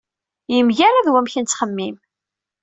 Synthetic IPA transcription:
jəmʝæɾaðwæmçənt͡sːχəmːim

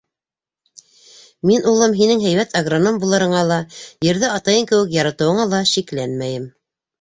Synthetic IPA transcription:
minulˠɤmɦinɘŋɦæjβæt̪ɐɡronombulˠɤ̆ɾɤ̆ɴɑlˠɑjɘ̆ɾðɘɑt̪ɑjɤŋkɘ̆wɘkjɑɾɑt̪ɤ̆wɤ̆ɴɑlˠɑʃiklænmæjɘm

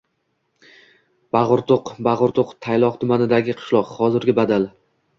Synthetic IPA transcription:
b̥aʁʊɾt̪oqbaʁʊɾt̪ʰoqt̪ʰajlˠɒqt̪ʰʊmanɪd̪aɡʲɪqʰɨ̥ʃlˠɒqhɒzɪɾɡʲɪbad̪al

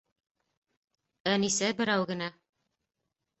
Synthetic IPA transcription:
ænisæbɘ̆ɾæwɡɘ̆næ

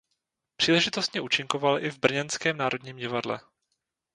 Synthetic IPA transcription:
pr̝̥iːlɛʒɪt̪o̞st̪ɲɛʔuːt͡ʃɪŋko̞valʔɪvbr̩ɲɛnskɛːmnaːɾo̞dɲiːmɟɪvadlɛ̰

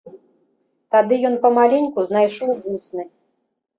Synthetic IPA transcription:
t̪ad̪ɨjɔnpɐmalʲɛnʲkuznajʂɔwɣusnɨ

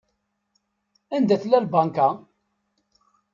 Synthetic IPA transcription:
ænd̪æθlælbaŋka

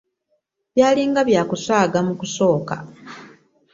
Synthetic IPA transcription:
βjaːliŋɡaβjaːkusaːɡamukuso̞ːka̰

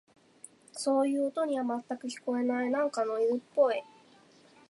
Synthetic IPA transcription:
so̞ːjɯ̟ːot̪o̞ɲ̟iβamat̪ːakɯ̟çi̥ko̞e̞nainãŋkano̞iɾɯ̟pːo̞i

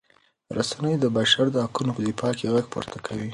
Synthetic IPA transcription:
ɾasanəjd̪əbaʃaɾd̪əhakunopəd̪ifɑkeɣaɡ̚po̰ɾt̪ʰakʰawi

